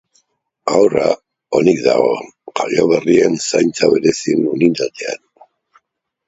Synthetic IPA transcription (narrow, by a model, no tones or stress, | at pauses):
awra̰ | onikd̪aɣo̞kaʎoβerie̞nsajnt͡saβe̞ɾe̞sinunind̪at̪ea̰n